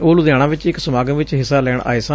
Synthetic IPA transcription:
oːlud̪jaːɽ̃ãːʋɪt͡ʃɪksəmaːɡəʋɪt͡ʃɦɪsːaːlɛːɳa̰ːɪsa

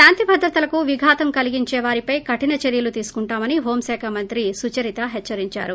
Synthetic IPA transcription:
ʃaːnt̪ibʱɐd̪ɾɐt̪ɐlɐkuʋiɡʱaːt̪ɐmkɐliɡiɲt͡ʃɛːʋaːɾipɐjkɐʈinɐt͡ʃeɾjɐlut̪iːsu̥kuɳʈaːmɐniɦo̞ːmsɛːkʰamɐnt̪ɾisut͡ʃɐɾit̪ɐɦɛt͡ʃːɐɾiɲt͡ʃa̰ːɾu

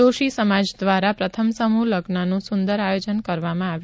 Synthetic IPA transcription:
oʃisəmad͡ʒd̪ʋaɾapɾət̪ʰəmsəmuləɡnanũsund̪əɾajod͡ʒənkəɾʋamãaʋj

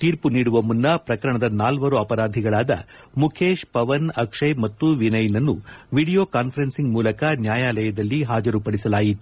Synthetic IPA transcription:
t̪iːɾpuniːɽuʋɐmːunːɐpɾɐkɐɾɐɳɐd̪ɐnaːlʋɐɾuɐpɐɾaːd̪ʱiɡɐɭaːd̪ɐ̰ | mukʰeːʃpɐʋɐnɐkʂɐjmɐt̪ːuʋinɐjnɐnːuʋiːɽijoːkaːnpʰɐɾensiŋɡmuːlɐkɐnjaːjaːlɐjɐd̪ɐlːiɦaːd͡ʒɐɾupɐɽisɐlaːjit̪u

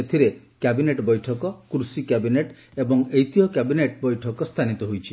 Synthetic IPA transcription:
et̪ʰiɾe | kabineʈbɔjʈʰɔkɔkɾusikabineʈ | ebɔŋejt̪ʰiɦɔkabineʈbɔjʈʰɔkɔst̪ʰanit̪ɔɦojt͡ʃʰi

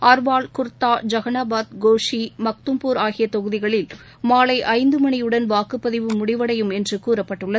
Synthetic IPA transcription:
aɾʋaːɭkʊɾt̪ːaːd͡ʒɐɣɐnaːbaːt̪ɡoːʂimɐk̚t̪ɯmpuːɾaːɣɪjɐt̪ɔɣɯðɪɣɐɭɪl | maːɭɐɪʔɐɪnd̪ɯmɐnijɯɽɐnʋaːkɯpːɐðɪʋɯmʊɽɪʋɐɽɐjɯmɛndrɯkuːɾɐpːɐʈːɯɭːɐ

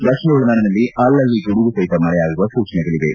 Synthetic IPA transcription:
d̪ɐkʂnɐuɭɐnɐɽɐnɐlːiʔɐlːɐlːikuɽuɡusɐjt̪ɐmɐɭɛjaːɡuʋɐsuːt͡ʃɐnɛɡɐɭiʋe

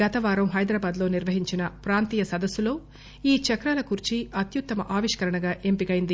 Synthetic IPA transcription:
ɐt̪ɐʋaːɾɐmɦɐjd̪ɾaːbaːd̪lo̞ːniɾʋɐɦiɲt͡ʃinɐpɾaːnt̪iːjɐsɐd̪ɐsːulo̞ː | iːt͡ʃɐkɾaːlɐkuɾit͡ʃiɐt̪jut̪ːɐmɐʔaːʋiʂkɐɾɐɳɐɡaːʔe̞mpikɐjind̪i

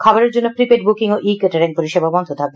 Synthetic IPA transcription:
kʰɔboɾeɾd͡ʑonːopɾipeʈbukiŋoʔikeʈeɾeŋpoɾiʃebabɔnt̪od̪ʱɔbe

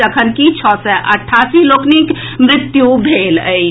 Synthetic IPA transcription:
əkʰənkit͡ʃʰɔsɛʔɐʈʰːaːsiloːknik | mɾɪt̪jubʱeːləj

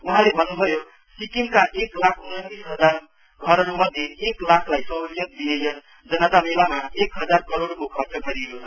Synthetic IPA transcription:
uɦãlebʱənbʱəjo | sikimkaʔeklakʰunət̪isɦəd͡ʒaɾ | kʰəɾənuməd̪ʱjeeklakʰlaisəd͡ʒjət̪̚binejən | d͡ʒənat̪amelamaekɦəd͡ʒaɾkəɾoɽkokʰəɾt͡ʃəpʰəɾilo

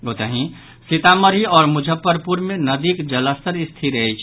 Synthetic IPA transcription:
ot̪əɦĩ | sɪt̪aməɾiɔːɾmʊd͡ʒʱəpːəɾpuɾmẽnəd̪ikd͡ʒələst̪əɾɪst̪ʰiɾəɦɛt͡ʃʰ

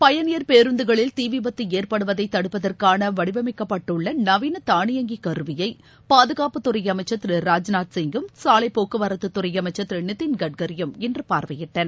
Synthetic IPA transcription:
pɐjɐnɪjɐɾpeːɾɯnd̪ɯɣɐɭɪlt̪iːʋɪbɐt̪ːɯeːrpɐɽɯʋɐðɐɪt̪ːɐɽɯpːɐðɐrkaːnɐʋɐɽɪʋɐmɐɪkːɐpːɐʈːɯɭːɐnɐʋiːnɐt̪aːɳɪjɐŋɡikɐɾɯʋɪjɐɪ | paːðɯɣaːpɯt̪ːɯɾɐɪjɐmɐɪt͡ʃːɐt̪ːɪɾɯɾaːd͡ʒnaːʈsɪŋɡɯmsaːlɐɪpːoːkɯʋɐɾɐt̪ːɯt̪ːʊɾɐjɐmɐɪt͡ʃːɐt̪ːɪɾɪnɪt̪ːinɡɐɖ̚ɡɐɾɪjɐmɛndrɯpaːɾʋɐjɪʈːɐn

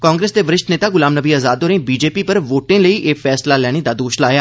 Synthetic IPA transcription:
kãːŋɡɾeːsd̪eʋəɾɪʃt̪neːt̪aːɡʊlaːmnəbiːazaːd̪oːɾẽːbiːd͡ʒeːpipəɾʋoːʈẽləiʔefɛːslalɛːɽ̃ed̪aːd̪oːʃlaːjaː

